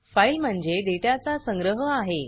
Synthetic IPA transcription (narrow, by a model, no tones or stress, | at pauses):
fajlm̤əɳd͡zeɖeʈat͡sasəŋɡɾəɦəaɦe